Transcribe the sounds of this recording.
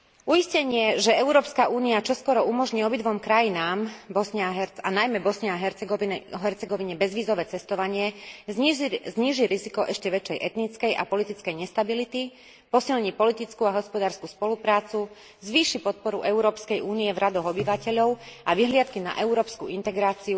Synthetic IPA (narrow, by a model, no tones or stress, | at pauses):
ujiscɛɲɪɛʒɛɛuɾɔːpskaʔuːniat͡ʃɔskɔɾɔumɔʒɲiːɔbid̪ʋɔmkɾajinaːmbɔsɲɛɦɛanajmɛbɔsɲɛaɦɛ | ɦɛɾt͡sɛɡɔʋiɲɛbɛzʋiːzɔʋɛːt͡sɛst̪ɔʋaɲɪɛzzɲiːʒiɾizikɔʔɛʃcɛʋɛt͡ʃɛjʔɛt̪nit͡skɛjʔa̰pɔlit̪it͡skɛjɲɛst̪abilit̪i | pɔsilɲipɔlit̪it͡skuaɦɔspɔd̪aːɾskuspɔlupɾaːt͡su | zʋiːʃipɔt̪̚pɔɾuʔɛuɾɔːpskɛjʔuːnijɛvɾʔad̪ɔɣɔbiʋacɛʎɔʊaʋiɦlɪat̪kina̰ʔɛuɾɔːpskuint̪ɛɡɾaːt͡siu